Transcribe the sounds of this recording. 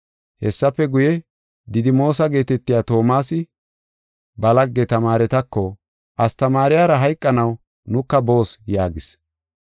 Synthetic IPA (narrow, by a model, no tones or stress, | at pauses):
hɛsːɐpːɛɡʊjɛ | d̪ɪd̪ɪmo̞ːs̬ɐɡe̞ːt̪ɛt̪ːɪjaːt̪o̞ːmaːsɪ | bɐlɐɡːɛt̪ɐmaːɾɛt̪ɐkːɔ | ʔɐst̪ɐmaːɾɪjaːɾɐɦɐjkʼːɐnɐw | nʊkːɐbo̞ːsjaːɡɪs